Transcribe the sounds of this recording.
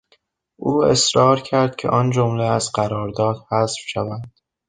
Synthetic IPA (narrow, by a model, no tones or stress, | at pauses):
ʔuːe̞̰sɾɒːɾcʰæɾd̪̥cʲʰḛʔɒːnd͡ʒomleæzɢæɾɒːɾd̪ɒːd̪̥hæsfʃævænd̪̥